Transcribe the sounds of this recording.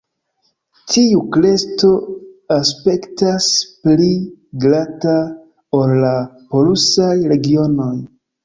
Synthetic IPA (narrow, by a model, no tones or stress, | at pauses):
tʰiukle̞sto̞aspe̞ktaspliɡɾata | o̞lːapo̞lusajɾe̞ɡio̞no̞j